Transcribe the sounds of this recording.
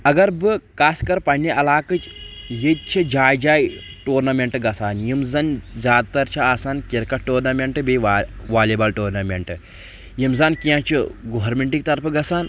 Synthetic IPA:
ɐɡɐɾbɨkaːskɐɾpɐɳːiʔɐlaːkɨt͡ʃjet̪̚t͡ʃʰid͡ʒaːjd͡ʒaːj | ʈoːɾnɐmʲeɳʈɡɐsaːnjimzɐnzaːd̪̚t̪ɐɾt͡ʃʰaaːsaːnkiɾkɐʈːoːɾnɐmʲeɳʈɨbiʋaʋaːlibɐlʈoːɾnɐmʲeɳʈɨ | jimzaːnkijãt͡ʃʰiɡoɦɐɾmeɳʈik̚t̪ɐɾpʰɡɐsaːn

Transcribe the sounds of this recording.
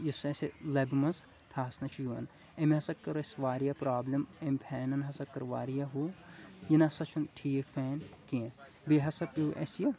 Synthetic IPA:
jiseselɐbʲmɐz | t̪ʰaːsnɐt͡ʃʰjuɐ̰n | emʲɦɐsɐkːɐɾesʋaːɾijapɾaːblʲɐmemʲpʰɛːnɐnɦɐsɐkːɐɾʋa̰ːɾijaɦuːjinɐsɐt͡ʃʰunʈʰiːkfʰeːnkĩ | biɦɐsɐpiʔḛsjo

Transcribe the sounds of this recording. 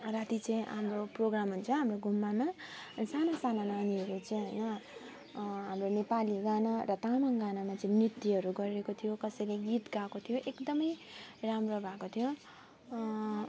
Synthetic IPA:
rat̪it͡sʌĩɦa̰mroproɡramɦunt͡sʰʌɦamroɡʱumːamaʌnisanasanananiɦʌɾut͡sʌj̃ɦʌjnʌ | ɦamronepaliɡanarʌt̪amaŋɡanamat͡sʌĩmrit̪ːiʌɾuɡʌɾiekot̪ʰijokʌsʌjleɡit̪ɡakot̪ʰijoʔekd̪ʌmʌjramrobʱakot̪ʰijo

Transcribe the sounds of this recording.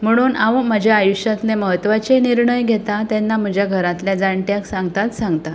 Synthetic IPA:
m̤əɽ̃uːnaʋəməd͡ʑʱjaːjuɕjat̪leməɦət̪ʋat͡seniɾɳəjɡʱet̪at̪ɛnːam̤əd͡ʑʱjaɡʱəɾat̪ljad͡zaɳʈjaksaŋɡt̪at̪saŋɡt̪a

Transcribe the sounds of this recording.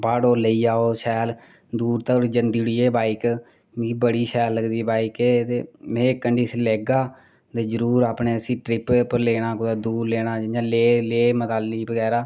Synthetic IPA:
baːɽoːləiːaːoːsɛːl | d̪uːɾt̪əɾd͡ʒənd̪iːɽiːeːbaːɪk | iːbəɽiːsɛːlːəɡd̪iːbaːɪkeːt̪eːmẽːkːəɳɖiːsleːɡaː | t̪eːzəɾuːɾaːpɳeːəsĩːʈɾɪppəɾleːɽaːkʊd̪aːd̪uːɾleːɽ̃aːd͡ʒãːleːleːmət̪aːlːiːbəɡɛːɾaː

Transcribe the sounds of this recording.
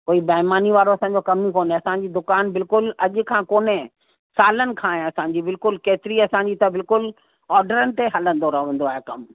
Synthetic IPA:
koːibɐːɪmaːniʋaːɾoɐsãːɲ̆d͡ʑokɐmikoːnẽɐsãɲd͡ʑiːd̪ʊkaːnbɪlkʊlɐʄʊ̆kʰãːkoːne | saːlənɪ̆kʰãːẽɐsãːɲ̆d͡ʑibɪlkʊlkeːt̪ɪɾiɐsãːɲ̆d͡ʑit̪ɐbɪlkʊl | ɔːɾɖəɾənɪ̆t̪eɦɐlə̃n̆d̪oɾɐɦʋə̃ːn̆d̪oaːɦekɐm

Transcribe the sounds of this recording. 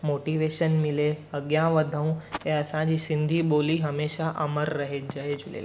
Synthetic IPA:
moʈiʋeʃənmileəɡjãʋəd̪ʱəũeəsãd͡ʑiːsĩnd̪ʱiːboliɦəmeʃaʔəməɾːəɦet̚d͡ʒaed͡ʑʱulḛl

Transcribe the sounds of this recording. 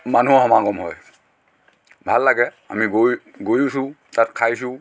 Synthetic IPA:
manuɔhɔmakɔmɦɔj | bʱalːaɡɛ | a̰miɡoj | ɡojusʊ̃ | tatkʰajs̬ʊ

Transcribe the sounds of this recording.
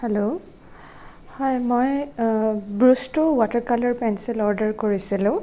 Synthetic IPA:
hɛlo | hɔjmoj | bɹustɔwɔtəɹkalɔɹpɛnsilɔɹdəɹkoɹisilʊ̃

